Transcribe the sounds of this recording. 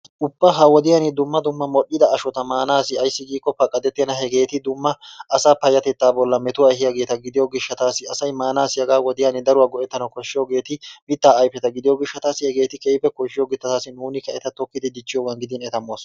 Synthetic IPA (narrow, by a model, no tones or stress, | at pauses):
ʔʊbːɐɦɐwɔd̪ɪjanɪd̪ʊmːɐd̪ʊmːɐmɔɗːɪd̪ɐːʃɔt̪ɐmaːnaːsɪɐjsːɪɡiːkʼːɔpːɐkʼːɐd̪ɛt̪ːɛnɐɦɛɡe̞ːt̪ɪd̪ʊmːɐʔːsaːpɐjːɐt̪ɛt̪ːaːbɔlːɐmɛt̪ʊwaːɦɪjaɡe̞ːt̪ɐɡɪd̪ɪjoɡɪʃːɐt̪aːsɪɐsɐjmaːnaːsɪjɐɡaːwɔd̪ɪjaːnɪd̪ɐɾʊwaːɡɔʔɛt̪ːɐnɐkɔʃːɪjoːɡe̞ːt̪ɪmɪt̪ːaːɐjpːɛt̪ɐɡɪd̪ɪjoːɡɪʃːɐt̪aːsɪhɛɡe̞ːt̪ɪkʼɛjpːɛkɔʃɪjoːɡɪt̪ːɐt̪aːsɪnuːnɪkɐɛt̪ɐt̪ɔkːɪd̪ɪd̪ɪt͡ʃːɪjoːɡɐnɡɪd̪ɪnɛt̪ɐmːoːsɔ